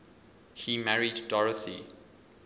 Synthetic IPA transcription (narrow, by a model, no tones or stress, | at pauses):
himæɹidːɔɹəθi